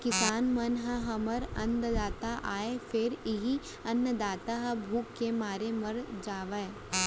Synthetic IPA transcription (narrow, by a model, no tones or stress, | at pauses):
kɪsaːnmɐnɦɐɦɐməɾɐ̃nd̪d̪aːt̪aʔaːefʰɪɾɪɦi | ɐnːəd̪aːt̪aɦɐbʱuːkːemaːɾemɐɾd͡ʒaːʋəe